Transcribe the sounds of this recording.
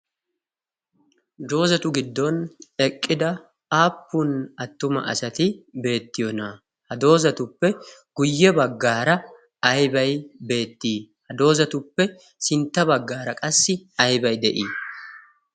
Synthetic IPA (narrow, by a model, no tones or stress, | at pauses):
d̪o̞ːzɐt̪ʊɡɪd̪ːɔnɛkʼːɪd̪ɐ | aːpːʊnɐt̪ːʊmɐ̰ʔɐ̰sɐt̪ɪbe̞ːt̪ːɪjɔna | hɐd̪o̞ːzɐt̪ʊpːɛɡ̥ʊjːɛbɐɡːaːɾɐ | ɐjbɐjbe̞ːt̪ːiː | hɐd̪o̞ːzɐt̪ʊpːɛ | sɪnt̪ːɐbɐɡːaːɾɐkʼɐsːɪɐjbɐjd̪ɛʔiː